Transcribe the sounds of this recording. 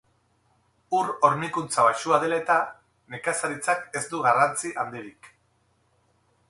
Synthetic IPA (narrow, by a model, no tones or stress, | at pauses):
uɾo̞ɾnikunt͡saβaʃuað̞e̞laet̪a | ne̞kasaɾit͡sake̞zd̪uɣarant͡siʔand̪iɾik